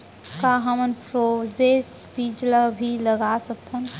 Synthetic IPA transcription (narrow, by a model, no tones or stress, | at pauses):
kaɦəmənpɾod͡ʒesbid͡ʒlabʱiləɡasəkt̪ʰən